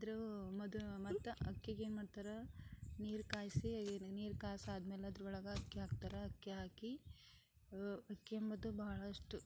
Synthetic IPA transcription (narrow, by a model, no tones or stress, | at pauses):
ɐd̪ɐɾumɐd̪umɐt̪ːɐɐkːjɐɡeːnmaːɽt̪aɾɐniːɾkaːjsiniːɾkaːsaːd̪meːlɐɐd̪ɾuuɭɐɡɐɐkːjɐɦaːɡ̚t̪aːɾɐɐkːjeɦaːki | ɐkːjembɐd̪ubɐɦɐɭɐʂʈu